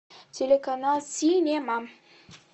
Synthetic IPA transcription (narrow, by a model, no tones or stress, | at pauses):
t͡selakanasinemamə̥